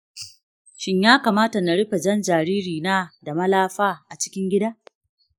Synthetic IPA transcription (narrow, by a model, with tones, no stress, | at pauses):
ʃɪ˦ɲjaː˦kaː˨maː˦ta˨na˨ɽɪ˦ɸa˨d͡ʒɐ˦nd͡ʒaː˨ɾiː˦ɾiː˨naː˦da˨mɐ˦laː˦ɸaː˦ʔa˨t͡ʃɪ̥˦kʲɪ˦ŋɡʲɪ˦daː˦